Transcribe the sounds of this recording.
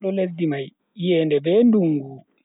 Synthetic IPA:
ɗɔledːimaj | jɛːndɛbɛnduŋɡu

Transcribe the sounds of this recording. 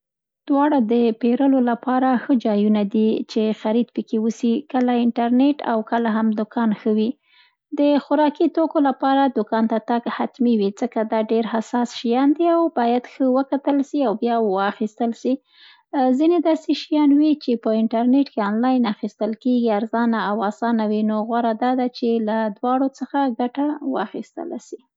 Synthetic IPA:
d̪̥wɑɽad̪əpeɾəlolapɑɾaxəd͡ʒɑjunad̪it͡ʃexaɾid̪pəkewusikəlaɪɳʈaɾneʈa̰wkəlaɦamd̪ʊkɑnxəwi | d̪əxʊɾɑkit̪okolapɑɾad̪ʊkɑnt̪at̪aɡhat̪miwid͡zəkad̪ɑɖeɾhasɑsʃijɑnd̪iawbɑjad̪xəwəkat̪əlʃiawbjɑwaxist̪əlʃi | zined̪ɑseʃijɑnwit͡ʃepəɪɳʈaɾneʈkeɑnlɑjnaxist̪əlkeɡiaɾzɑnaːwɑsɑnawinoɣwaɾad̪ɑd̪at͡ʃelad̪wɑɽot͡səxaɡaʈawə̰axist̪ə̰la̰ʃi

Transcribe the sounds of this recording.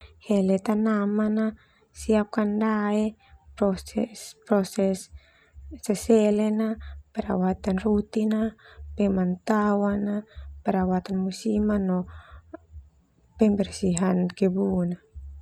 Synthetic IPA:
hɛlɛt̪anamana | siap̚kandaɛpɾɔsɛspɾɔsɛsː | ɛsɛlɛnapɛɾa̰wat̪anrut̪inapɛmant̪awanapɛɾawat̪anmusimanɔ | pɛmbɛrsiɦankɛbuna

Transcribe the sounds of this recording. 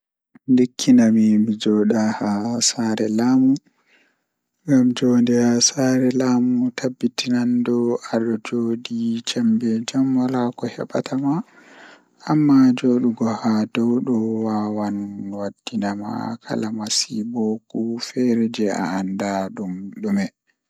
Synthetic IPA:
ndekʰːinamimid͡ʒɔɗahasaːɾɛlaːmu | ŋɡamd͡ʒɔndɛhasaɾɛlaːmutabːitinandɔaɗɔd͡ʒoɗit͡ʃambɛd͡ʒamwalakɔhɛ̰ɓa̰tʰamaː | mːad͡ʒoːɗuɡɔhadɔwɗɔwawanwad̥ːinama̰kʰa̰lamasibɔkufɛɾɛd͡ʒɛa̰andaɗumɗumɛ

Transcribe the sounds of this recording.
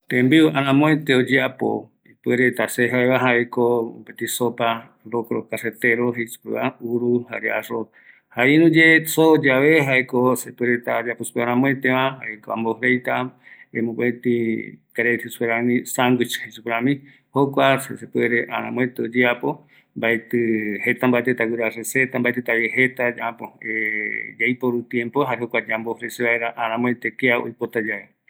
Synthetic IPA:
t̪ẽmbiuaɾãmõẽt̪eod͡ʒeapo̰ | ipɨeɾet̪aseɦaeβaɦaekoopet̪isopa | bokoɾokaset̪eɾoɦesu̥peβauɾuha̰ɾea̰ro | hainũd͡ʒesod͡ʒaβeɦaekosepeɾet̪ad͡ʒaposu̥peaɾ̃ãmõẽt̪ẽβãhaekoa̰mboɦɾejt̪aemõpet̪ikaɾet̪ʰesu̥peɾanĩsaŋɡit͡ʃḁhesupeɾãmĩ | hokʷasesepweɾeʔa̰ɾã̰mw̃ẽt̪eod͡ʒeapo | mbaet̪ɨhe̞t̪ambaet̪et̪aɡiɾareset̪ambaet̪ɨt̪aβjeɦet̪ad͡ʒãpoed͡ʒajpoɾut̪jẽmpoɦaɾehokʷad͡ʒambohɾeseβaeɾaʔaɾ̃ãmõet̪ekeao̰jpot̪ad͡ʒaβe

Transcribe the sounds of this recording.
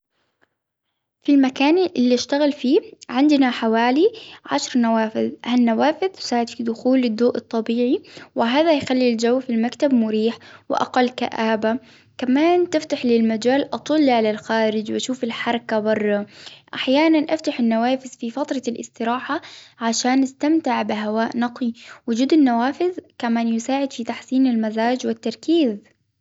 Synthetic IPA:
filmakaːnʔɪlːiʃt̪aɣɪlfiːʕɪnd̪naħawaːliʕa̰ʃɾnawaːfɪðhanːawaːfɪðt̪ʊ̥saːʕɪd̪fid̪ʊxuːlɪd̪ːoːʔɨt̪ˤːɑbiːʕiwɪɦaːðajxalːild͡ʒawːfilmakt̪abmʊɾiːħwɪʔa̰qɑlːka̰ʔaːba | kamaːnt̪ɪft̪aħlɪlmad͡ʒaːlʔɑt̪ˤʊlːiʕalalxaːɾɪd͡ʒwʔaʃuːfɪlħɑɾˤɑkabɑrˤːɑʔaħjaːnanʔaft̪aħɪnːawaːfɪðfifat̪ɾˤɑlʔɪ̰st̪ɪɾaːħaʕaʃaːnʔast̪amt̪ɪʕbɪɦawaːʔnɑqiwʊd͡ʒuːd̪ɪnːawaːfɪðkamaːnjʊsaːʕɪd̪fit̪aħsiːnɪlmazaːd͡ʒwɪt̪ːɑɾˤkiːz

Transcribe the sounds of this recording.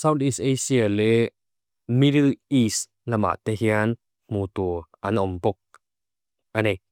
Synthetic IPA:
sawt̪isejsialɛ | miɾɯis | lama̰t̪eɦian | mut̪uʔanʔɔmpɔk̚ | ʔane

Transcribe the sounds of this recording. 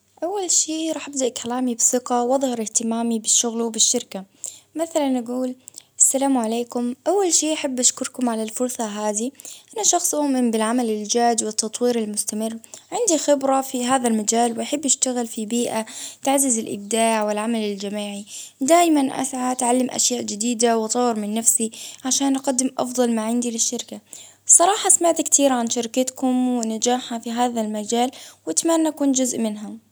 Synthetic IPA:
ʔawːalʃiːɾˤɑːħʔabd̪aʔkʰalaːmibsɪqawʔɑðˤhɑɾˤɪht̪ɪmaːmibɪʃːʊɣlbɪʃːɪɾka | maθalanʔaɡuːlʔasːalaːmʕaleːkʊmʔawːalʃiːʔaħabːʔaʃkʊɾkʊmʕalalfʊɾsˤɑɦaːðiʔanːaʃɑxsˤʔʊːmɪmbɪlʕamalɪld͡ʒaːd͡ʒwɪt̪ːɑt̪ˤwiːɾɪlmʊst̪amɪrːʕɪnd̪ixɪbɾˤafiɦaːðalmad͡ʒaːlwʔaħabːʔaʃt̪aɣɪlfibiːʔat̪aʕzɪzɪlʔɪ̰b̚d̪aːʕwɪlʕamalɪld͡ʒamaːʕid̪aːjmanʔa̰sʕat̪ʕalːɪmʔa̰ʃjaːʔd͡ʒɪd̪iːd̪awt̪ˤɑwɾmɪnːafsiʕaʃaːnʔaqɑd̪ːɪmʔɑ̰fðˤɑlmaʕɪnd̪ilɪʃːɪɾka | sˤɑɾˤɑːħɑsmaʕt̪kt̪ʰiːɾʕanʃɪɾkɪt̪kʊmwɪnad͡ʒaːħhafiɦaːðalmad͡ʒaːlwɪt̪amaːnʔakuːnd͡ʒʊzʔmɪnɦʊm

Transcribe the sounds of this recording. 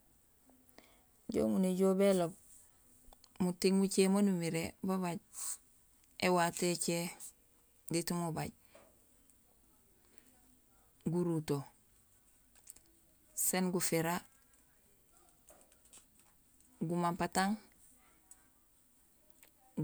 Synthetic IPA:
ɟo̰ːmuneɟobelob̚ | mutiŋmut͡ʃemonumiɾebaβaɟ | ewatet͡ʃe | ditumubaɟ | ɡuɾuto | senɡufiɾa | ɡumampataŋ

